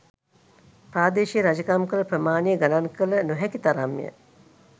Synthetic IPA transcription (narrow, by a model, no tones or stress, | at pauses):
pɾaːd̪eːʃijəɾad͡ʒəkamkələpɾəmaːnijəɡalaŋkələnuɦɛkit̪aɾamːḭjə̰